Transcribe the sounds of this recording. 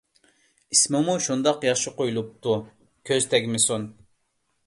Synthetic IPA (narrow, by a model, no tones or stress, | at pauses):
ismɪmuʃund̪ɑqjɑχʃɨqojulˠup̚t̪ʰu | kʲʰøzt̪ʰɛkʲmɪsun